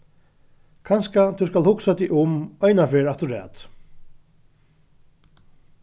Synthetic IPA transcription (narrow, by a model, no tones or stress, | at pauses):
kʰanskat̪ʰuskalhʊksat̪iʔʊmœjnafɛːɹat̪ʊɹɛ̰ːt̪